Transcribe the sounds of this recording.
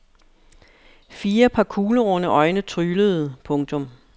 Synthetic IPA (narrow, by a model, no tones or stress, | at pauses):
fiːɐpʰɑ̈kʰuːləʁɔnəʔɒ̽ɪnət͡sʰʁyːləð̞̩ˠpʰɔ̽ŋt͡sʰɔ̽m